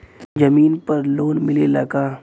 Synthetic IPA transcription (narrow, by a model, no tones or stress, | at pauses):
d͡ʒɐmiːnpɐɾloːnmɪlelɐkaː